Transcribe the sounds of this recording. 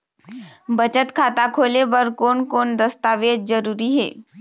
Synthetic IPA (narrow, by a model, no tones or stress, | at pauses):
bət͡ʃət̪kʰaːt̪akʰoːleʋəɾkoːnkoːnd̪əst̪aːʋeːd͡ʒd͡ʒəɾuːɾiɦḛː